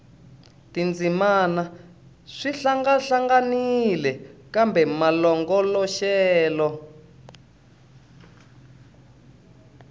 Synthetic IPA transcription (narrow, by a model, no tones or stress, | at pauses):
tind͡zimana | ʂiɬaŋɡaɬaŋɡanilɛkambɛmalɔŋɡɔlɔʃɛːlɔ